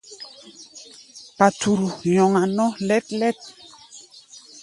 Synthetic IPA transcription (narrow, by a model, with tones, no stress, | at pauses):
pa˨tu˨ɾu˨jɔ˨ŋa˨nɔ˦lɛ˦tlɛ˦t̚